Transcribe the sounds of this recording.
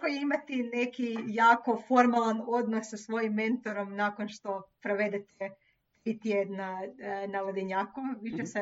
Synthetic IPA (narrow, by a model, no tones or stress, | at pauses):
kojeimat̪ine̞kijaːko̞fo̞ɾmalˠano̞d̪nosːasʋo̞jimːẽ̞nt̪o̞ɾo̞mnaːko̞nʃt̪o̞pɾoʋe̞d̪et̪e | p̪ɾit̪jed̪nanalod̪iɲaːkuʋit͡ʃese